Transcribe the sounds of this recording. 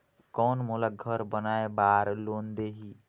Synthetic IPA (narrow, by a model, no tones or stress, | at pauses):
kɔːnmolaɡʱəɾbənaːebaːɾloːnd̪eɦi